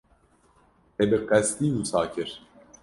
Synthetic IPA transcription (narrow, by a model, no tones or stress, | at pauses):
ɛbiqɛst̪iːmusaːcʰiɾ